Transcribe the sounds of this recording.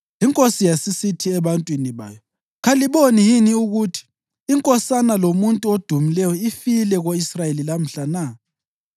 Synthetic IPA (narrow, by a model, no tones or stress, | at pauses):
iŋkʼosijasisitʰiɛβantʼwiniβa̰ːjɔ | ɣaliβonijiniuɣutʰi̥ː | ŋkʼɔsanalomuntʼuod̥ʱumilɛjɔifilɛɣoisrajelilam̩ɬana